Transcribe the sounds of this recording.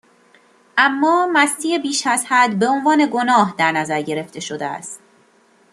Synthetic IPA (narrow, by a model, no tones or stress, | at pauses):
ʔæmːɒːmæst̪ʰiːebiːʃæzhæd̪be̞o̞nvɒːne̞ɡo̞nɒːɦd̪æɾnæzæɾɟe̞ɾe̞ft̪ʰe̞ʃo̞d̪eæ̰st̪